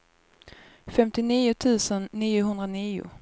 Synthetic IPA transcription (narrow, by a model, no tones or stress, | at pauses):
fɛmt̪ɪniːʊt̪ʰʉ̟ːsənːiːʊɦɵnd̪ɾaniːʊ̰